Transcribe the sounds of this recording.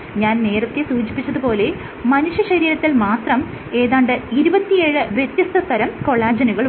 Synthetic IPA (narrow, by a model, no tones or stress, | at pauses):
ɲaːnne̞ːrɐt̪ːesuːd͡ʑipːit͡ɕːɐðɨpo̞ːle̞ | mɐnuʂjɐɕɐɾiːɾɐt̪ːilmaːt̪rɐm | e̞ːðaːɳɖeiɾubɐt̪ːije̞ːɻɨʋjet̪jɐst̪ʰɐst̪ɐɾɐmko̞ɭːaːd͡ʑɐnuɣɐɭ